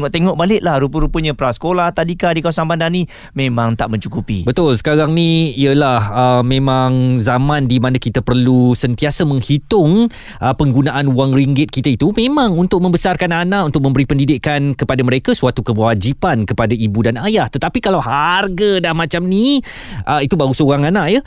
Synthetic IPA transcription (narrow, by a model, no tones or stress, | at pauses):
ŋɔʔt̪eŋɔʔbalɪʔ̪̚lahɾupəɾupəɲə̃pɾasə̥kolaht̪adikadikasaŋbandanĩ | mẽmãŋt̪aʔmə̃ɲt͡ʃukupḭbət̪ʊlsə̥kaɾaŋniiəlahəmːẽmãŋzamãndimanakit̪apərlusənt̪iasəmə̃ŋhit̪ʊŋ | ʔəpəŋɡunaʔanuaŋriŋɡɪt̪̚kit̪ait̪umẽmãŋunt̪ʊk̚mə̃mbəsarkananãʔunt̪ʊkʔ̚mə̃mbəɾipəndidɪʔkankəpadaməɾekasuat̪ukəwad͡ʒipankəpadaibudanajaht̪ət̪apikalawɦarɡədahmãt͡ʃamni | ʔəit̪ubausoɾaŋanaʔjə